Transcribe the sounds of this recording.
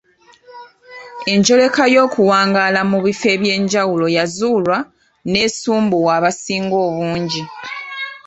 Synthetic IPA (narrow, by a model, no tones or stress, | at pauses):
e̞ɲɟo̞le̞kajo̞ːkuwaːŋɡaːlamuβife̞βje̞ːɲɟawulo̞jazuːlwa | ne̞suːmbuwaːβasiːŋɡo̞ːβuːɲɟi